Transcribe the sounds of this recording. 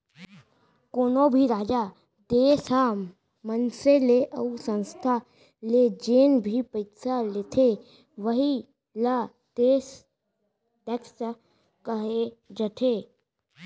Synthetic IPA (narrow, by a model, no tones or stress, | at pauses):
koːnobʱiɾaːd͡ʒaː | d̪eːsa | mənseleʔəusə̃nst̪ʰa | led͡ʒeːnbʱipəɪsalet̪ʰe | ʋəɦi | la | d̪eːs | ʈɛks | kəɦed͡ʒəʈ̪ʰeː